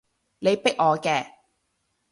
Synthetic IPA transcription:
ne˨˧jpɪ˥k̚ɔː˨˧kɛː˧

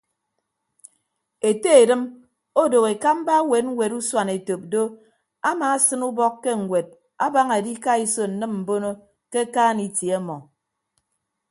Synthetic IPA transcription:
e˨te˦e˨dɨ˦m | o˦do˨ɣe˨ka˦m̩˦ba˦we˨˦t̚ŋ̩˦we˨ɾu˦swa˨ne˨to˨p̚do˦ | a˦maː˨˦sɨ˦nu˦bɔ˦kːe˦ŋ̩˨ɡʷwe˨d̚ | a˦ba˦ŋa˨di˦ka˦i˦so˨n̩˨nɨ˦mm̩˨bo˦no˦ | ke˦kaː˦ni˨tja˦mɔ˨

